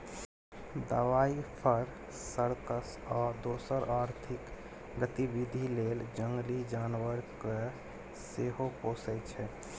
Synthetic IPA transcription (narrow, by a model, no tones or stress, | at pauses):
d̪əʋaipʰəɾ | səɾt̪əs | ɔːd̪osəɾaɾt̪ʰik | ɡət̪ibid̪ʱileld͡ʒəŋɡlid͡ʒanwəɾke | seɦoposɛt͡ʃʰɛ